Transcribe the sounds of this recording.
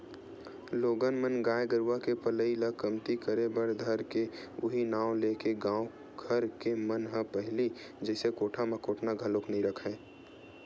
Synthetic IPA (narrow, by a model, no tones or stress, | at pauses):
loːɡənmənɡaːjɡəɾwakepələiləkəmt̪ikəɾebəɾd̪ʱəɾke | ʊɦinaːwleːkeɡãːõ | ɡʰʱəɾkemənɦə̃pəɦli | d͡ʒɛɪsekoːʈʰamẽkoːʈʰnaɡʱəloknɐɦĩɾəkʰẽː